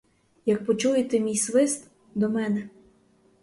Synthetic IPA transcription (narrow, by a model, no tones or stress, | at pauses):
jɐk̚pɔt͡ʃujet̪ɛmʲijsʋɪst̪ | d̪ɔmɛnɛ